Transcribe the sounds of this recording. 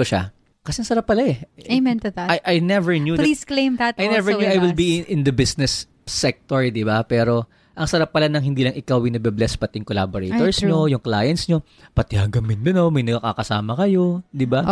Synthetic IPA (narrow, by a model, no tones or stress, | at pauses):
oʃa̰ | kɐsɛɐŋsɐɾap̚ːɐlaɛemɛ̃nt̪ɛðajʔajnɛvɛɹnjuːdlisklẽjmðat̪ajnɛvɛɹɲjuʔajwɪlbiɪ̃nd̪ɐbɪsnɛsː | ɛk̚t̪oɹd̪ɪbapɛːɾo̞ | ʔɐŋsɐɾap̚ːɐlanɐŋhɪnd̪iːlɐŋʔɪkawɪnɐɡ̚biblɛspɐt̪ɪŋkola̰ːboɾḛt̪oɹsɲojʊŋkla̰ːjɛnt̪sɲo̞ | pɐt̪ɛhɐɡɐmɪnd̪ɐnomɐjnɐɡɐka̰kɐsa̰ːmɐkɐjo̞d̪ɪba